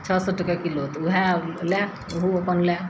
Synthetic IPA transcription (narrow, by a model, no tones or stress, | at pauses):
t͡ʃʰəsɔʈəkakilot̪uɦalɛkʰ | ɦuopənlɛkʰ